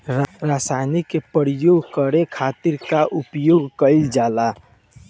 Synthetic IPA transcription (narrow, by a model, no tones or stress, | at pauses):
ɾasajnikːepəɾijoɡʱkəɾekʰat̪iɾkaʔupjoɡʱkəɪld͡ʒala